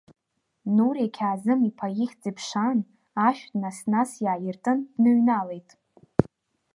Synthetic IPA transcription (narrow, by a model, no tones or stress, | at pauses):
nuɾeakʲʰaːzɨmipʰajiχʲd͡zʼipʰʂan | aʃᶣdnasnasjaːjɪrtʼɨnnɨɥnale̞jtʼ